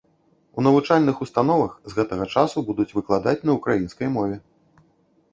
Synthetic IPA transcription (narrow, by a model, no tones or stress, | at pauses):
unɐvut͡ʂalʲnɨxust̪an̪ɔvɐxzɣɛt̪ɐɣɐt͡ʂasubud̪ut͡sʲvɨklˠad̪at͡sʲnɐwkɾajinskɐjmɔvʲɛ